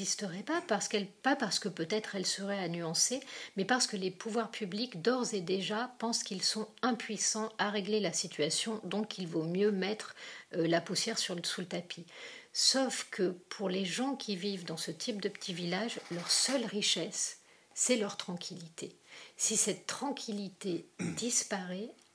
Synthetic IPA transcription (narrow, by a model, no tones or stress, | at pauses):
ist̪əʁɛpapaʁsə̥kɛlpapaʁsə̥kəpøt̪ɛt̪χɛlsəʁɛanyɑ̃semɛpaʁsə̥kəlepʰuvwaʁpʰyblikd̪ɔʁzed̪eʒapɑ̃skilsɔ̃ɛ̃pɥisɑ̃aʁeɡlelasit̪ʰyasjɔ̃d̪ɔ̃kʰilvomjømɛt̪χlapusjɛʁsyʁsulət̪apʰisofkʰəpʰuʁleʒɑ̃kʲʰivivd̪ɑ̃sət̪ʰip̚d̪əpə̥t̪ʰivilaʒlœʁsœlʁiʃɛsː | ɛlœʁt̪χɑ̃kʲʰilit̪esisɛt̪ːχɑ̃kʲʰilit̪ed̪ispaʁɛ